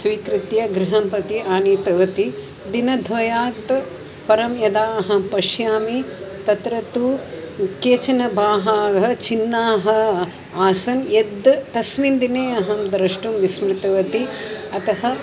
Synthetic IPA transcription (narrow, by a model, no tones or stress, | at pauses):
sʋiːkɾit̪jɐɡɾiɦɐmpɐt̪iʔaːniːt̪ɐʋɐt̪i | d̪inɐd̪ʱʋɐjaːt̪ | pɐɾɐmjɐd̪aːɐɦɐpɐʃjaːmit̪ɐt̪ɾɐt̪u | keːt͡ʃɐnɐbʱaːɦaːɡɦɐt͡ʃinːaːɦɐ̆ | aːsɐnjed̪t̪ɐsmind̪ineːɐɦɐmd̪ɐɾɐʂʈumʋismɾɪt̪ɐʋɐt̪iɐt̪ɐɦɐ̆